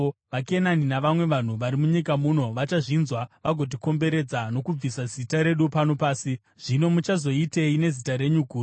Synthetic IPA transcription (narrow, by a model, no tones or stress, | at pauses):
ʋakenaninaʋamwe̞ʋan̤uʋaɾimuɲikamuno̞ʋat͡ʃaʐinzwaʋaɡʱo̞t̬iko̞mbe̞ɾe̞d͡zano̞kub͡visazitaɾe̞ɗupano̞paːsi | ʐ̥ino̞mut͡ʃazo̞ite̞ine̞zitaɾe̞ɲuɡʱuː